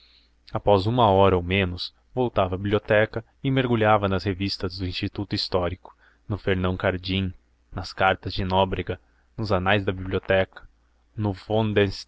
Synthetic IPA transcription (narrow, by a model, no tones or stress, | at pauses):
apɔzũmɐɔɾɐowmẽnʊs | vowt̪avɐbibliot̪ɛkɐ | ɪmeɾɡuʎavɐnɐshevist̪ɐzd̪ʊĩst͡ʃit̪ut̪ʊist̪ɔɾikʊ̥ | nʊfeɾnɐ̃w̃kaɾd͡ʒĩ | nɐskaɾt̪ɐzd͡ʒɪnɔbɾiɡɐ | nʊzanajzd̪ɐbiblʲiot̪ɛkɐ̥ | nʊvõnd̪ẽs